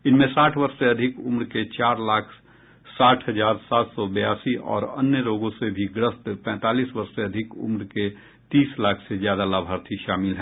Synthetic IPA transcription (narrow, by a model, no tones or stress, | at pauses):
ɪnmẽsaːʈʰwɐɾʃseɐd̪ʱɪkʊmɾket͡ʃaːɾlaːkʰ | saːʈʰɦəd͡ʒaːɾsaːt̪sɔbəjaːsiʔɔ̰ːɾɐnːjəɾoːɡõsebʱiɡɾəst̪pɛ̃ːt̪aːliːsbɐɾʃseɐd̪ʱɪkʊ̰mɾke | t̪iːslaːkʰsezjaːd̪alabʱɦaːɾt̪ʰiʃaːmɪlɦɛː